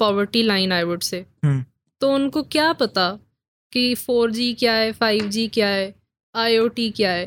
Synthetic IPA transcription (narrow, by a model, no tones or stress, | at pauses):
pɔːʋəɾʈilaːɪnaːɪʋəɖse | t̪oʊnkokjaːpɐt̪a | kifoːɾd͡ʒiːkjaɦɛfaːɪʋd͡ʒiːkjaɦɛː | aːjoːʈikjaːɦɛː